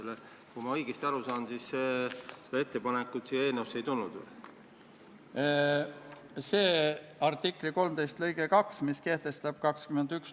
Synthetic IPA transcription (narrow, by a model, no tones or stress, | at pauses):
le | kujmɑɤjɡ̥est̪ɑɾusɑːnsis | sed̪eet̪ːepɑnekːˑut̪sijːɑe̞ːlnewusːe̞jt̪ulːud̪ | se̞ːɑrt̪ikːˑliko̞lmt̪e̞jst̪lɤ̞jɡ̥ekɑksmiske̞ht̪e̞st̪ɑb̥̚kɑkskymend̪̥yks